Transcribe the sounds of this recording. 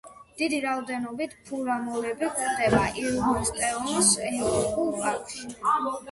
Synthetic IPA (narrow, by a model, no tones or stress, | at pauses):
d̪̥id̪iɾaɔd̪ɛnɔbit̪ʰpʰuɾamɔlɛbikʰɾd̪ɛbaʔiɾɡist̪ʼɛɔnsɛhʰɛlˠɔɾikʼulˠpaɾkʰʃi